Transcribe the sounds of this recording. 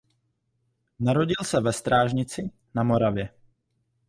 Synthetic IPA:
naɾo̞ɟɪlsɛvɛst̪ɾaːʒɲɪt͡sɪ | namo̞ɾavjɛ

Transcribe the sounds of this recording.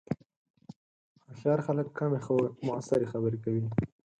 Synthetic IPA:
axɑɾxaləkːamemʊa̰saɾexabəɾekawi

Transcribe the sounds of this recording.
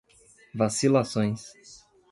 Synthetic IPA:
vasilasõj̃s

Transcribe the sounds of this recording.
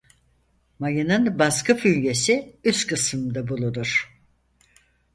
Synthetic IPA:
majɯnɯnbaskɯfylje̞siyskʰɯsɯmd̪abulˠud̪uɾ̥

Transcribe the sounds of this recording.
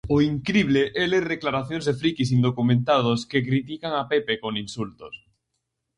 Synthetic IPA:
ʊiŋkɾiβleʔɛleðeklaɾaθjõŋzðefɾikisind̪okumẽnt̪að̞ʊskekɾit̪̬ikaŋapepekoŋinsult̪ʊs

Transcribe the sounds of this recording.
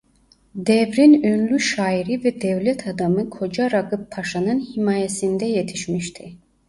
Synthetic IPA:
d̪ɛvɾinønlʲyʃaːiɾivɛd̪ɛvlʲɛt̪ʰad̪amɯkʰo̞d͡ʒaɾaɡɯpʰːaʃanɯnhimaːjesind̪ɛjet̪ʰiʃmiʃt̪ʰi

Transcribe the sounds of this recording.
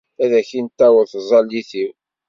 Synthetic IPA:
æðæçint̪ːæwəɾθəzˤɑlːiθiw

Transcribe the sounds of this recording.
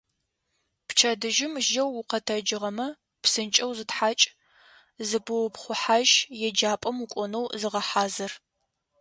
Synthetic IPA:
pt͡ʃʰɐdɨʒɪmʒɐwːʊqɐtʰɐd͡ʒɪʁɐmɐ | psɨnt͡ʃʼɐwzɨtħaːt͡ʃʼ | zɨbɨwpχʷʊħaːʒjɛd͡ʒaːpʼɐmukʷʼɔnɐwzɨʁɐħaːzɐr

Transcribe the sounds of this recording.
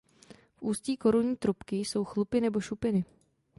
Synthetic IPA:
fʔuːsciːko̞ɾuɲiːt̪ɾupkɪso̞wxlupɪnɛbo̞ʃupɪnɪ

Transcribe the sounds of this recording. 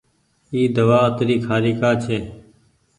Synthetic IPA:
iːd̪əʋaːət̪ɾiːkʰaːɾiːkaːt͡ʃʰeː

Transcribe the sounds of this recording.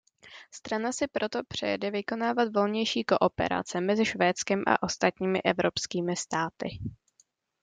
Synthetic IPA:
st̪ɾanasɪpɾo̞t̪o̞pr̝̥ɛ̰jɛdɛvɪko̞naːvat̪vo̞lɲɛjʃiːko̞ʔo̞pɛ̰ɾa̰t͡sɛmɛzɪʃvɛːtt͡skɛmʔa̰ʔo̞st̪at̪ɲiːmɪʔɛvɾo̞pskiːmɪst̪aːt̪ɪ̰

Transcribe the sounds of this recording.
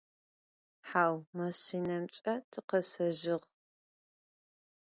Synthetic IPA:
ħaːwmɐɕinɐmt͡ʃʼɐtʰɨqɐsɐʒɪʁ

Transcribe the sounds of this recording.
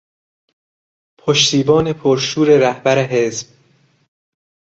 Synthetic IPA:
pʰoʃt̪iːbɒːne̞pʰoɾʃuːɾe̞ɾæhbæɾeɦe̞zb̥

